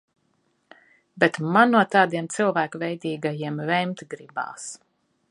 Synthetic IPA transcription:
bʲɛt̪manːuɔt̪ɑːd̪iɛmt̪sɨlˠvæːkuvʲɛjd̪iːɡajiɛmvɛmt̪ɡɾiba̰ːs

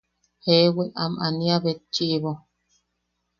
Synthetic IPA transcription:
heweʔamaniaβet͡ʃiʔβo

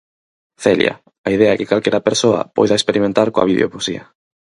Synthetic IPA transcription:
θeljɐ̰ | aið̞eaɛkɪkalkɛɾɐpeɾsoɐ̰pojðaekspeɾimẽnt̪aɾkoɐ̰βiðḛo̰fosiɐ̰

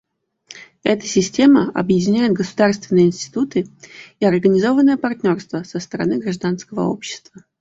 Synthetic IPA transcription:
ɛt̪ə̥sʲɪsʲtʲe̞məɐ̰bjɪdʲɪnʲæjɪt̪ɡəsʊd̪arst̪vʲɪnːɨjəɪnʲsʲtʲɪ̥t̪ut̪ɨiɐrɡənʲɪzo̞vənːəjəpɐrt̪ʲnʲo̞rst̪vəsəst̪əɾɐ̰nɨɡɾɐʐd̪anskəvə̰o̞̰pɕːɪ̥st̪və

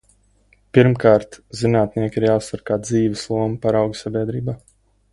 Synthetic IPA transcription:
piɾmkaːɾt̪zinaːt̪̚niɛkʲiɾjaːsaɾkaːd̪ziːvɛslˠuɔmapaɾawɡsabʲiɛd̪ɾiːbaː

